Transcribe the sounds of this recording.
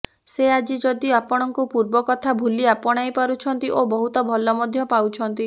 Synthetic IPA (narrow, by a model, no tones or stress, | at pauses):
sead͡ʒid͡ʒɔd̪iapɔɽ̃ɔŋkupuɾbɔkɔt̪ʰabʱuliapɔɽ̃ajpaɾut͡ʃʰɔnt̪iʔobɔɦut̪ɔbʱɔlɔmɔd̪ʱjɔpawt͡ʃʰɔnt̪i